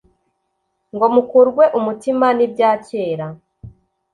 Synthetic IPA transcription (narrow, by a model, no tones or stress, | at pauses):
ŋɡo̞mukuɾɡwe̞ʔumutimanib̚ɟaːceːɾa